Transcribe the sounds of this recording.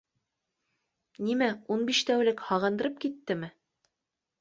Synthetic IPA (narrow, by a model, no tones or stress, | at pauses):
nimæunbiʃt̪æwlɘkhɑʁɤ̆nd̪ɤ̆ɾɤp̚kit̪ːɘmɘ